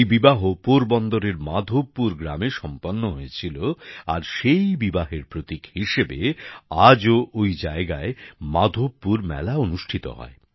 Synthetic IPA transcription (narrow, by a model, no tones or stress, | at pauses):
jbibaɦopoɾbɔnd̪oɾeɾmad̪ʱobːuɾɡɾa̰meʃɔmpɔnːoɦojet͡ɕʰiloaɾʃejbibaɦeɾpɾot̪ikhiʃebḛad͡ʑoʔojd͡ʑaeɡaemad̪ʱobːuɾmɛ̰laonuʃʈʰit̪o̰ɦɔ̰e